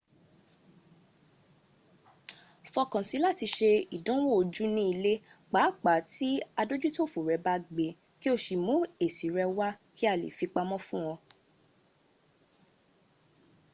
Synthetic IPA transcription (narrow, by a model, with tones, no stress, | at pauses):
fɔ˧kã˨si˨˦la˦ti˧ʃe˧i˨dã˦wo˦o˧d͡ʒu˦nĩ˦i˧le˦k͡pa˨˦k͡pa˨˦ti˦a˧do˦d͡ʒu˦to˦˨fo˨ɾɛ˨˧˦ba˦ɡ͡be˨ | ki˦o˧ʃi˨mũ˨˦e˨si˨˦ɾɛ˧wa˦ki˦a˦˨lḛ˨fi˧k͡pa˧mɔ̃˦fũ˦w̃ɔ̃˧